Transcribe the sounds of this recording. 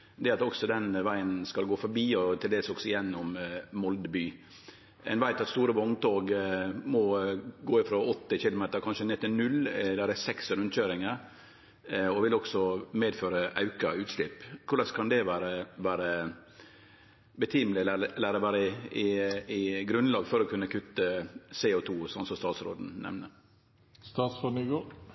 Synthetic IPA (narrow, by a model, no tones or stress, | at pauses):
d̪ɛɑt̪ɔksɔd̪ɛnʋæɪənskɑlɡoːfɔɾbiːɔt̪ʰɪld̪eːsɔksɔɪjɛnːɔmmɔld̪əbyː | ɛ̰nʋæɪt̪ɑt̪st̪uːɾəʋɔŋt̪oːɡmɔɡoːɪfɾoɔt̪ːɪçɪlʊmeːt̪əɾkʰɑnʂənɛt̪ːənʉlːd̪æɾɛsɛksɾʉnc͡çøːɾɪŋəɾ | ɔʋɪlɔksɔmeːd̪føːɾəʔɑ̰ʉkɑʉːt̪ʃɭɪpkʰʊɾlɑskʰɑnd̪ɛʋæːɾəʋæːɾə | bət̪ʰɪmlɪælæːɾəʋæːɾəɪɪɪɡɾʉnlɑːɡfɔɾɔkʰʉnːəkʰʉt̪ːəseːʊt̪ʰuːsɔnsɔst̪ɑːt̪sɾo̰ːd̪n̩nɛ̰mnə | st̪ɑːt̪sonyɡoː